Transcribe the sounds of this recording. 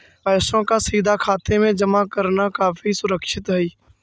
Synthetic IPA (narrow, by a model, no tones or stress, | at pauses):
pɛːsõkasiːd̪ʱakʰaːt̪emẽd͡ʒəmakəɾnakaːfisʊɾəkʃɪt̪ɦɛiː